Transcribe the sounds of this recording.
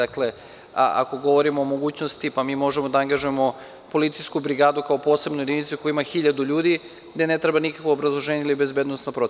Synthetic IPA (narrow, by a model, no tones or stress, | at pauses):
akle̞ | ʔa̰ko̞ɡo̞ʋo̞ɾimoːmo̞ɡuːt͡ɕnost̪ipamiːmo̞ʒemod̪aaŋɡaʒuemo̞ | po̞lit̪sijskubɾiɡaːd̪ukaopo̞ːse̞bnuje̞d̪init̪sukojuimaxiʎad̪uʎuːd̪i | ɡd̪ene̞t̪ɾebanikakoobɾazlˠo̞ʒeːɲailibe̞zbeːd̪nosnopɾo